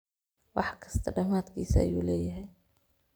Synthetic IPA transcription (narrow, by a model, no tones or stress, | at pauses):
wɑħkʰɐ̥st̪ʰɐɖɐmaːd̪kʰiːsɐɐ̰juːlɛːjɐɦɛj